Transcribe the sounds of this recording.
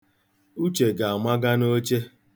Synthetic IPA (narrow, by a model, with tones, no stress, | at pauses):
u˦t͡ʃe˨ɡa˨a˨mʷa˦ɡa˦no˦t͡ʃe˦